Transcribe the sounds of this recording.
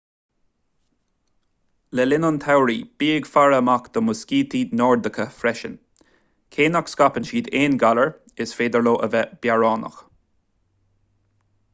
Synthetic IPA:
lɛlɪnənt̪ʰawɾiːb̥iːəɡfaɹəmakd̪̥əmʊskiːt̪ʰiːnɔːɹd̪əkʰəfɾɛʃə̰n | kʰeːnakskapənʃiːd̪eːnɡaləɹ | ɪsfeːd̪əɹloːʔəvɛb̥jaɹɑːnə̰x

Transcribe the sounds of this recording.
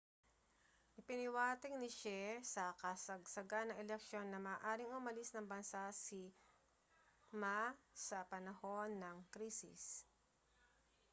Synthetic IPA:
ʔɪpɪnɪwaːt̪ɛŋnɪʃɛsɐkɐsɐɡ̚sɐɡanːɐŋɛlɛk̚ʃo̞nːɐmɐːʔaːɾɪŋʊmɐlɪsnɐŋbɐnsasi | masɐpɐnɐho̞nːɐŋkɾiːsɪ̰s

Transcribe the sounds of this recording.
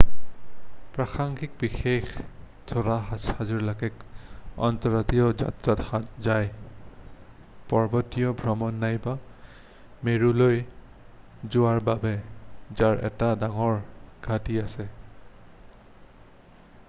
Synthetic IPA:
pɹaxaŋɡik̚bixex | tʰɔɹaɦahaziɹlaɡɛkɔ̰ntɔɹatiɔza̰tɹatzaj | pɔɹbɔtijɔbʱɹɔmɔnːajba | meɹuloj | zʊwaɹbabɛzaɹʔɛ̰tadaŋɔɹɡ̥ʱatiasɛ

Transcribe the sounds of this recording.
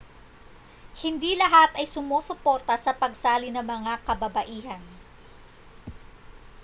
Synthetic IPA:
hɪnd̪ilɐɦat̪ʔɐjsʊmoːsʊpo̞ːɾt̪ɐsɐpɐɡsaːlɪnɐŋmɐŋakɐbɐbɐʔiːhɐn

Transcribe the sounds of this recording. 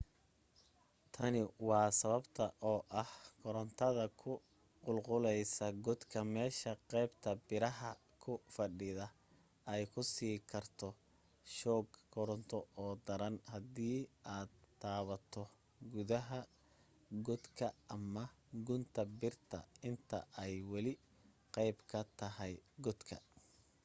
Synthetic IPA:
t̪ʰɐnɪwɑːsɐβɐbt̪ʰɐʔɔːʔɐhkʰɔɾɔnt̪ʰɐðɐkʰʊ | qʊlqʊlɛjsɐɡɔd̪kʰɐmɛːʃɐqɛjbt̪ʰɐbɪɾɐɦɐ | kʰʊfɐɖɪðɐ | ɛjkʰʊsiːkʰɐrt̪ʰɔ | ʃɔːɡkʰɔɾɔnt̪ʰɔɔːd̪ɐɾɐnhɐd̪iːaːd̪t̪ʰːaːβɐt̪ʰɔ | ɡʊðɐɦɐ | ɡɔd̪kʰɐːmɐɡʊnt̪ʰɐbɪrt̪ʰɐ̰ɪnt̪ʰɐ̰ʔɛjwɐlɪ | qɑjbkʰɐt̪ʰɐɦɛjɡɔd̪kʰɐ̰

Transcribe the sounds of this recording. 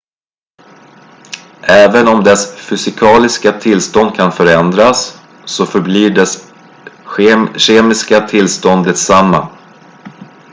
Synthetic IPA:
ʔɛːvənɔmd̪ɛsfʏsɪkʰɑːlɪskat̪ʰɪlst̪ɔnd̪̚kʰanfœɾɛnd̪ɾasː | ɔfœɾbliːɖɛs | ɕeːmɪskat̪ʰɪlːst̪ɔnd̪ət̪samːa̰

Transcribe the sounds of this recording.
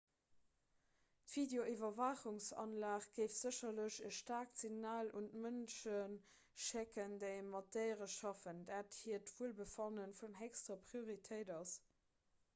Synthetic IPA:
tv̥ideoʔivɐvɑχuŋsɑ̰nlaːχɡ̥əɪftz̥əɕɐləʑəʃtaːksiɡnaːlʔuntmənʃən | ʃɛkəndeɪəmɑteɪʁəʃɑfəndaːthiɐtv̥uəlbəfɑnənfunɛkstʁɐpʁioʁitʰəɪdɑs

